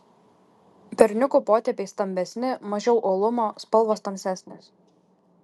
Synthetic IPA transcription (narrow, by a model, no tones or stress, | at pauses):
pʲɛɾʲnʲʊkuːpoːt̪ʲɛpʲeɪst̪ɐmʲbʲɛsʲnʲɪmɐʒʲɛʊʔoːlˠʊmoːspɐlˠʋoːst̪ɐmʲsʲæsʲnʲes